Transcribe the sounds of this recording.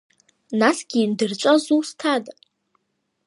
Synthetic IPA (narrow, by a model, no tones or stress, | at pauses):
nasɡʲiːndɨrt͡ʃʷʼazustʰadʼ